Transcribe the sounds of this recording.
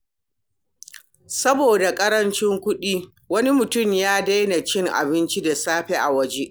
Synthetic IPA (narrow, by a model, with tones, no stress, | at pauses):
sɐ˦boː˨da˨kʼɐ˦ɾɐ˦nt͡ʃɪ˦ŋkʷʊ˦ɗiː˦ | wɐ˦ni˦mʊ˨tʊ˦˨mjaː˦da˦jna˨t͡ʃɪ˦ŋʔa̰˨bɪ˦nt͡ʃi˦da˨saː˦ɸe˦ʔa˨wɐ˦d͡ʒe˦ʔ